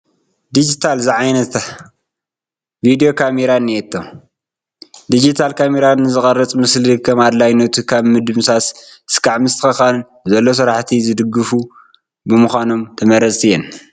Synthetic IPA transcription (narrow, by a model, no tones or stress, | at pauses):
d̪id͡ʒit̪ʰalzɨʕajnɐt̪ | vid̪ijokʰameɾaniɛt̪ʰːo | d̪id͡ʒit̪ʰalkʰameɾanɨzɨxʼɐɾɐt͡sʼmɨslɨkʰɐmad̪lajnɐt̪ʰukʰaβmɨd̪ɨmsasɨskʰaʕmɨst̪ɨ̥xɐxann | zɐlːo̞s̬ɨɾaħt̪ʰizɨd̪ɨɡːɨfu | bɨmɨxʷano̞mt̪ʰɐmɐɾɐt͡sʼɨjːɛn